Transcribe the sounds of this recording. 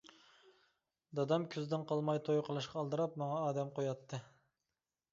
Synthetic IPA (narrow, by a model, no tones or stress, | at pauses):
d̪ɑd̪ɑmkʲʰyzd̪ɪnqʰɑlˠmɑjt̪ʰojqʰəlˠɨʃqɑɑlˠd̪ɨɾɑpmɑŋɑːd̪ɛmqojɑt̪ʰːɨ